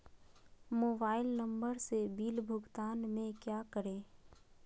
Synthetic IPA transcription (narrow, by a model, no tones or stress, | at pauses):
moːbaːɪlnə̃mbəɾsebiːlbʱʊɡt̪aːnmẽkjaːkəɾẽː